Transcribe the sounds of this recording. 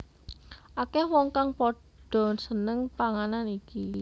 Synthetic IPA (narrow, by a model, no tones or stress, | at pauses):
ʔakɛhwɔŋkaŋpɔɖ̥ɔ̤nsənəŋpaŋananiki